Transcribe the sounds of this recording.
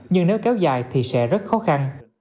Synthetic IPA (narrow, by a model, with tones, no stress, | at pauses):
ɲɨ˧ŋne˨˦wkɛ˨˦wza̰ː˧˨jt̪ʰi˨˩sɛ̰˧˥zə˦˥t̚xɔ˨˦xa˧n